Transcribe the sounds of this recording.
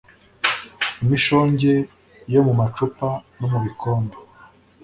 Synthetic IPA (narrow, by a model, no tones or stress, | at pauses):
imiʃo̞ːɲɟe̞ | jo̞mumat͡ʃupano̞muβikoːndo